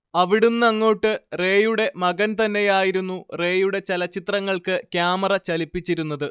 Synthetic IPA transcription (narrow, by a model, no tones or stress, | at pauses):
ɐʋiɽumnɐŋːo̞ːʈːɨre̞ːjuɽe̞mɐɣɐnt̪ɐnːe̞jaːjiɾunːure̞ːjuɽe̞t͡ɕelɐt͡ɕːit̪rɐŋːɐɭkɨkjaːmɐrɐt͡ɕɐlipːit͡ɕːiɾunːɐðɨ